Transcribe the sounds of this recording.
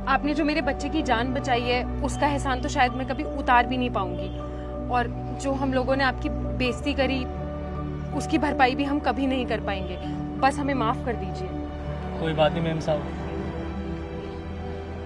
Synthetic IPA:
aːpned͡ʒoːmeːɾebɐtːʃekid͡ʒaːnbɐt͡ʃaːiɦɛ | ʊskaɛɦsaːnt̪oʃaːjəd̪mɛ̃kɐbʱiʊt̪aːɾbʱinɐɦĩpaːũŋɡiː | ɔːɾ | d͡ʒoːɦɐmloːɡõneaːp̚ki | beːst̪ikɐɾi | ʊskibʱɐɾpaːibʱiɦɐmkɐbʱinɐɦĩkɐɾpaːẽːŋɡeː | bɐsɦɐmẽmaːfkɐɾd̪iːd͡ʒieː | koːibaːt̪ɦĩmẽːmsaː

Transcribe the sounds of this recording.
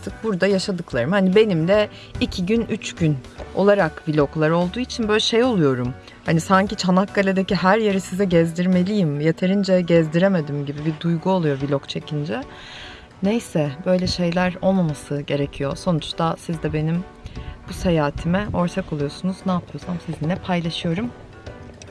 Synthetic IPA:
ɾt̪ʰɯk̚buɾd̪ajaʃad̪ɯklˠaɾɯmhanibe̞nimd̪ɛ | icʰiɟynyt͡ʃɟyn | olˠaɾakvilʲo̞klˠaɾo̞lˠd̪uːit͡ʃʰinbø̞jlʲɛʃe̞jo̞lˠujo̞ɾum | hanisaɲcit͡ʃʰanak̚ɡalʲed̪eciɦæɾjeɾisizɛɟɛzd̪iɾme̞lʲijimje̞t̪ʰeɾind͡ʒɛɟɛzd̪iɾeme̞d̪imɟibibid̪ujɡuo̞lˠujo̞vilʲokt͡ʃʰe̞cʰind͡ʒɛ | ne̞jsɛbø̞jlʲɛʃe̞jlʲæɾo̞lˠmamasɯɟe̞ɾe̞cʰijo̞so̞nut͡ʃt̪asizd̪ɛbe̞nim | buse̞jaːt̪ʰimɛo̞ɾt̪ʰako̞lˠujo̞sunuznaːpʰɯjo̞samsizinlʲɛpʰajlˠaʃɯjo̞ɾum

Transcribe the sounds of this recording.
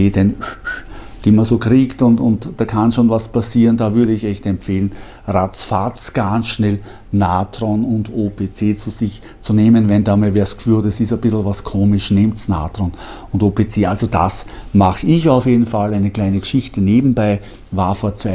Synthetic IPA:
eːdɛn | d̥iːmazoːkʁiːktʊntʊntd̥aːkʰanʃoːnvaspʰasiːʁənd̥aːvʏɐɾəɪçɛçtɛmpfeːlən | ʁat͡sfat͡sɡ̥ansʃnɛl | naːtʁonʊndoːpʰet͡seːt͡suzɪç | t͡suneːmənvɛnd̥aːmevɛːɐskʰv̥yːtɛsɪsɛb̥ɪsl̩vaskʰoːmɪʃnɪmtsna̰ːtʁon | ʊndoːpʰet͡seːʔalzoda̰smaχəɪçɑʊfjeːdn̩falæɪnəkl̥æɪnəɡ̥əʃɪçtəneːbm̩baɪ | vaːɐfoːɐt͡sva

